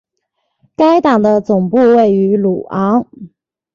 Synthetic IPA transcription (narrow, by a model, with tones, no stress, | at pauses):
ka˥ɪt̪ɑ˨˩ŋd̪ə˦t͡sʊ˨˩ŋpu˥˧we˥˩ɪy˧˥lu˨˩ɑ˧˥ŋ